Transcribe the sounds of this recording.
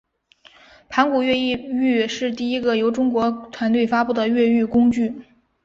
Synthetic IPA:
pʰa˧˥nku˨˩ɥɛ˥˧i˥˧y˥˧ʂɻ̩˥˧t̪̬i˥˩i˥ɡə˧˨jo˧˥ʊʈ͡ʂʊ˥ŋkwɔ˧˥t̪ʰwa˧˥nt̪we˥˩ɪfa˥pu˥˩d̪ə˩ɥɛ˥˧y˥˩kʊ˥ŋt͡ɕy˥˩

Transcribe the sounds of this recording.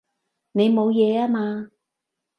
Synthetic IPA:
ne˨˧jmo˨˧wjɛː˨˧aː˥maː˧

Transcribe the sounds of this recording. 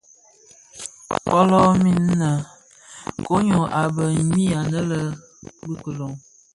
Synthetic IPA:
pɔ˦lɔ˦mi˦n˦nə˨ | ko˦ɲo˨ʔa˨bə˨ɲi˦a˨nə˦lə˦ | bu˦kə˨lo˨ŋ

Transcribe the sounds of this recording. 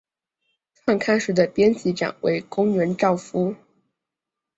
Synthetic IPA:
tʰa˥˧nkʰa˥˧nʂɻ̩˧˥˩d̪ə˧pjɛ˥nt͡ɕi˧˥ʈ͡ʂa̰˨˩˦nwḛ˧˥ɪkʊ˥ŋɥɛ˧˥nʈ͡ʂɑ˥˩ʊfu˥

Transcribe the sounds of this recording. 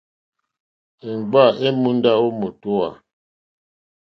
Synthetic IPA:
ɛ˨ŋ˨ɡ͡ba˦˨e˦mu˦n˦da˦o˦mo˨tɔ˦a̰˨

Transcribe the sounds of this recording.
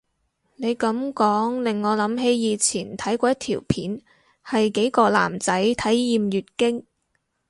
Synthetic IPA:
ne˨˧jkɐ˨˥mkɔː˨˥ŋlɪ˨ŋːɔː˨˧lɐ˨˥mɦe˨˥jjiː˨˧t͡sʰiː˨˩nt̪ʰɐ˨˥jkʷɔː˧jɐ˥t̪̚ʰiː˨˩wpʰiː˨˥n | hɐ˨jke˨˥jkɔː˧la̰ː˨˩mt͡sɐ˨˥jt̪ʰɐ˨˥jːiː˨˧mjyː˨t̚kɪ˥ŋ

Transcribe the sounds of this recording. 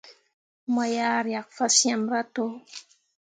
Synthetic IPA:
mɔ˨jaː˦ɾja˨k̚fa˦sja˦mɾa˦to˦

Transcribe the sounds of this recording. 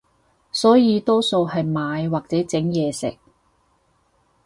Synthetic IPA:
sɔː˨˥jiː˨˧t̪ɔː˥so˧whɐ˨jmaː˨˧jwaː˨k̚t͡sɛː˨˥t͡sɪ˨˥ŋjɛː˨˧sɪ̰˨k̚

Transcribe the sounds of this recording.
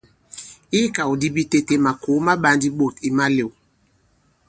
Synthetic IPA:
i˦ka˨u˨di˦bi˦te˦te˦ma˨ko˨˦ma˦ɓa˨˦ndi˦ɓo˨ti˨ma˦le˨w

